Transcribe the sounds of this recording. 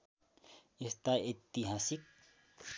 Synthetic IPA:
ist̪aet̪ːiɦaːsik̚

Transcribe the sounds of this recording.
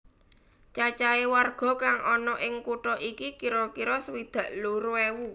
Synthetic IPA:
t͡ʃat͡ʃaewarɡ̥ɔ̤kaŋʔɔnɔʔɪŋkuʈɔʔikikiɾɔkiɾɔswid̪̥ä̤ʔloɾuewu

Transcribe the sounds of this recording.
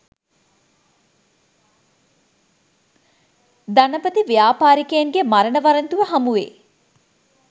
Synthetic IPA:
d̪anəpət̪iʋijaːpaːɾikəjaŋɡemaɾənəʋɐɾənt̪uʋəɦamuʋḛː

